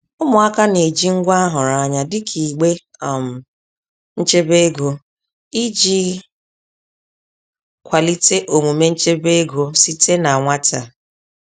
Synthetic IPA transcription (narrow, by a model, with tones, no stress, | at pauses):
ʊ˦mʊ˨a˦ka˦ne˨d͡ʒi˦ŋ̩˦ɡʷa˦a˦ɦʊ˨ɾa˦˨ɲa˦dɪ˦kʰi˨ɡ͡be˦˨ | m̩˨ | n̩˦t͡ʃe˦be˦ɡo˨ | i˦d͡ʒi˦ | kʷa˨li˦te˦ʔo˨ŋu˨me˦n̩˦t͡ʃe˦be˦ɡo˨si˦te˦na˨ŋʷa˦ta˨